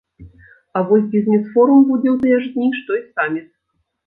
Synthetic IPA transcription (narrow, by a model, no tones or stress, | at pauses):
avɔsʲbʲizʲnʲisfɔɾumbud͡zʲɛwt̪ɨjɛʐd̪ʲnʲiʂt̪ɔisamʲit̪̚